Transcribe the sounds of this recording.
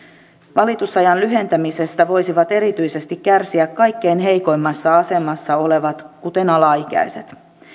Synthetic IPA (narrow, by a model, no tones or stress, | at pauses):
ʋɑlit̪usɑjɑnlyɦe̞nt̪æmise̞st̪æʋo̞jsiʋɑt̪e̞ɾit̪yjse̞st̪ikkærsiækkɑjkːeinɦe̞jko̞jmːɑsːɑɑse̞mɑsːɑo̞le̞ʋɑt̪kut̪e̞nɑlɑik̟æ̰jse̞̰t̪